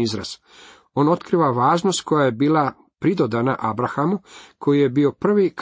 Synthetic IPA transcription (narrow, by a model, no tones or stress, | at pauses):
izɾa̰z̥ | o̞ːno̞t̪kɾiʋaʋaːʒnost̪̚kʰo̞jaje̞biːla | pɾid̪od̪anaʔabɾaxamukʰo̞jije̞bio̞pr̩ʋik